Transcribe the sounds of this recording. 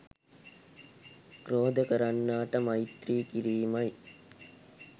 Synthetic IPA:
kɾoːd̪əkəɾanːaːʈəmait̪ɾiːkiɾiːmɐj

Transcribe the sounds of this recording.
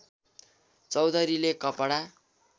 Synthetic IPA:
t͡sʌwd̪ʌɾilekʌpaɽa

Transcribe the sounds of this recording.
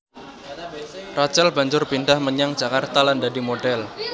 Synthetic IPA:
rat͡ʃɛlba̤ɲd͡ʒʊrpindahməɲaŋ̥d͡ʒakart̪alandadimoɖɛl

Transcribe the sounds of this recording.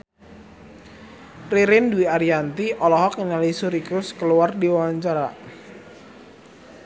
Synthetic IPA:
riɾɪnduiaɾiant̪iʔɔlɔɦɔkənalisuɾikʊskəluardiwawaɲt͡ʃaɾa

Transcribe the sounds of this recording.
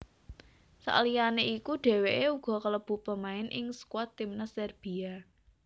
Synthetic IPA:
sa̰ʔlijaneikuɖ̥e̤weʔeuɡ̥ɔ̤kələb̥ṳpəmaɪnʔɪŋsə̥kwat̪ːimnəsɛrb̥ia

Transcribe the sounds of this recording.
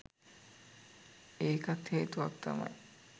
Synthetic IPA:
eːkɐt̪heːt̪uʋɐk̚t̪ɐ̰mɐ̰j

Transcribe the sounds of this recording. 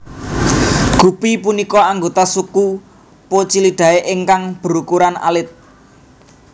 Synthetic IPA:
ɡ̥ṳpipunikɔaŋɡot̪asuku | pot͡ʃiliɖ̪̥ä̤eʔɪŋkaŋb̥ə̤ɾukuɾana̰lɪt̪̚

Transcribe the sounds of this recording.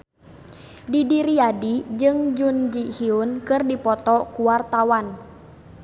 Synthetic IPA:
didiɾiadid͡ʒɨŋd͡ʒund͡ʒihiunkɨrdipɔt̪ɔkuwart̪awan

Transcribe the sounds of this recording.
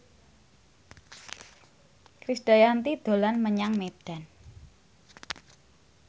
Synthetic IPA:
kɾisd̥ajant̪id̪̥o̤lanməɲaŋmed̥a̤n

